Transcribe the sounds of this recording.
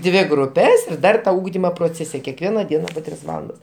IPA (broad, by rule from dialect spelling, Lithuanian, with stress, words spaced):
ˈdʲʋʲɪ ɡrʊˈpʲɛs ɪr ˈdɐr ˈʊɡdʲɪmoː proːˈt͡sʲeːsʲɛ kʲɛkˈʋʲiɛnɐ ˈdʲiɛnɐ poː ˈtʲrʲɪs ˈʋɑːlˠɐndɐs